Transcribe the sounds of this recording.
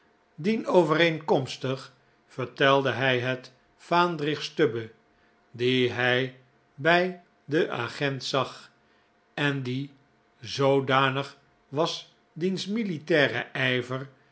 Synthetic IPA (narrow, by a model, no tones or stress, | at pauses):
dinowvəreŋkɔmstəχ | fəɹtɛlˠdəɦɛjɦɛt | faːndrɪχstøbə | diɦɛj | bɛj | dəʔa̰χɛntsɑχ | ɛndi | zowdaːnəχ | ʋɑs | dinsmilitɛːrə̰ʔɛjvər